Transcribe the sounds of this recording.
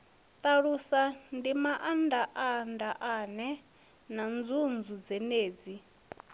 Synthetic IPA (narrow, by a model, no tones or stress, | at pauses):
t̪aɺusandimaʔandaʔandaʔanɛ | nand͡zund͡zud͡zɛneːd͡zi